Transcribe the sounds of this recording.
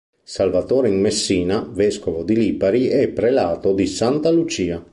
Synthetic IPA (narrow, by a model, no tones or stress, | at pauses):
salvat̪oːɾeiŋmesːiːnavɛskovod̪iliːpaɾiɛpːɾelaːt̪od̪isant̪alut͡ʃiːa